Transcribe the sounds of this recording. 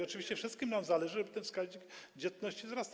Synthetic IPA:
ɔt͡ʂɨvʲiɕt͡ɕɛfʂɘst̪kʲimnamzalɛʐɘʐɛbɘt̪ɛnfskaʑɲikd͡ʑɛt̪nɔɕt͡ɕizɾast̪

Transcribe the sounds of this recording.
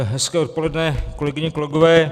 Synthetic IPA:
ɦɛskɛːot̪̚po̞lɛdnɛːkolɛɡɪɲɪkolɛɡovɛː

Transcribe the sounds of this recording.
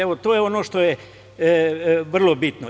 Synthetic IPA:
eʋot̪oːjeonoːʃt̪oje | ʋr̩lˠobit̪no

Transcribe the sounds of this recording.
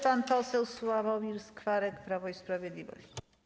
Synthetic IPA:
panpɔsɛwswavawmʲiɾskfaɾɛkpɾavɔispɾavʲjɛd̪lʲivɔ̰ɕt͡ɕi̥

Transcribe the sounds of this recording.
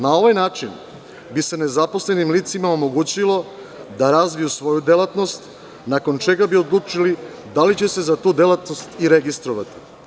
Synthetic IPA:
nao̞ʋajnaːt͡ʃin | bise̞ne̞zapo̞slenimliːt̪simaomo̞ɡuːt͡ɕilˠo̞ | d̪aɾazʋijusʋo̞jud̪elˠat̪no̞st̪ | nako̞nt͡ʃe̞ɡabio̞d̪lˠuːt͡ʃili | d̪alit͡ɕe̞se̞zat̪uːd̪e̞lat̪nost̪iɾe̞ɡist̪ɾoʋat̪i̥

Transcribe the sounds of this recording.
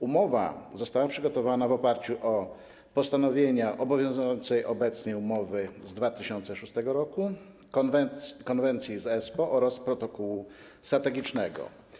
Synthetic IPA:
umɔva̰zɔst̪awapʂɘɡɔt̪ɔvanavɔpaɾt͡ɕuʔɔ | pɔst̪anɔvʲjeɲaʔɔbɔvʲjɔ̃w̃zujɔnt̪sɛjʔɔbɛt̪sɲɛjumɔvɘzd̪vat̪ɘɕɔnt̪sɛʂust̪ɛɡɔɾɔku | vɛkɔnvɛnt̪sʲjizɛspɔʔɔɾaspɾɔt̪ɔkɔwu | st̪ɾat̪ɛɡʲit͡ʂnɛɡɔ̰

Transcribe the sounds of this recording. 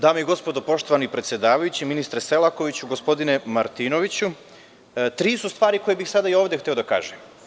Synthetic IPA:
d̪aːmeiɡo̞spo̞d̪opo̞ʃt̪oʋanoipɾet̪sje̞d̪aːʋajut͡ɕiminist̪ɾese̞lˠako̞ʋit͡ɕuɡo̞spo̞d̪ine̞maɾt̪ino̞ʋit͡ɕu | t̪ɾiːsust̪ʋaːɾiko̞jebixsad̪aio̞ːʋd̪ext̪e̞o̞d̪aka̰ːʒe

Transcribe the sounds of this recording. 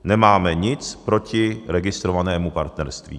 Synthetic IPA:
nɛmaːmɛɲɪt͡spɾo̞cɪɾɛɡɪst̪ɾovanɛːmupaɾt̪nɛɾst̪vḭː

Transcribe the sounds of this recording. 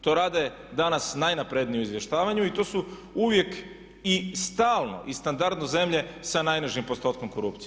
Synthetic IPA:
t̪o̞ːɾaːd̪aje | d̪anasnajnapɾed̪nijumizʋje̞ʃt̪aːʋaɲuit̪o̞ːsuuʋje̞k | ist̪aːlˠno̞̰ʔist̪and̪aɾd̪noze̞mʎe̞sanajnaʒimpo̞st̪o̞ːt̪̚ko̞mko̞ɾupt̪i

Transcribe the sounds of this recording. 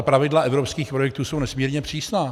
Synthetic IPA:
apɾavɪdlaʔɛvɾopskiːxpɾo̞jɛk̚t̪uːsownɛsmiːɾɲɛpr̝̥iːsnaː

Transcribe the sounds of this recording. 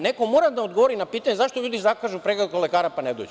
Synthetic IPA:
ne̞komoːɾad̪aod̪ɡoʋoɾinapiːt̪aɲe̞zaʃt̪oʎuːd̪izakaːʒupɾeɡlekole̞kaːɾapaned̪o̰ːd͡ʒɛ

